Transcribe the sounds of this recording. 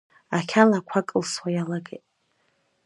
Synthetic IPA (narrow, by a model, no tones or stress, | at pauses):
akʲʰanakʷʰakʼɨlswajalaɡejtʼ